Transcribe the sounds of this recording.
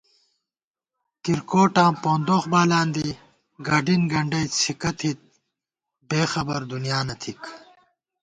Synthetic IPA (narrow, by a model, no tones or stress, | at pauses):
kiɾkoːʈãːpõːnd̪oːxbaːlaːnd̪i | ɡɐɖinɡɐɳɖɐjt͡sʰikɐt̪ʰit̪̚ | beːxɐbɐɾd̪unijaːnɐt̪ʰik